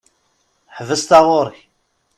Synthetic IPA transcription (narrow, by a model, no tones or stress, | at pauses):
ħvəst̪aʁoɾˤç